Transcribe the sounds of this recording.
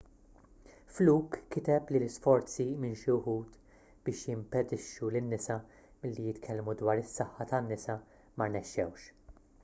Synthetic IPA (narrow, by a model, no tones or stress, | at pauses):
fluːkːɪt̪ɛplilɪsfɔɾt͡simɪnʃihuːt̪ | b̥ɪːʃjɪmpɛd̪ɪʃːulɪnːɪsɐ | mɪlːijɪt̪kʰɛlmud̪wɐːɾɪsːɐħːɐt̪ɐnːɪsɐ | mɐɾnɛʃːɛ̰wʃ